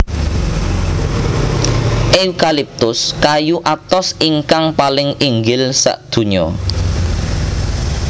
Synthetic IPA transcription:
ʔeukalip̚t̪ʊskajuʔat̪ɔsiŋkaŋpalɪŋiŋɡɪlsa̰ʔd̪̥ṳɲɔ

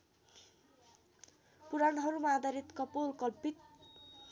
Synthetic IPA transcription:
puɾanɦʌɾumaːd̪aɾit̪kʌpolkʌlpit̪̚

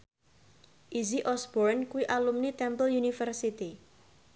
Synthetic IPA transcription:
ʔiziʔɔsbɔɾnkuwiʔalumnit̪ɛmpəljunifərsit̪i

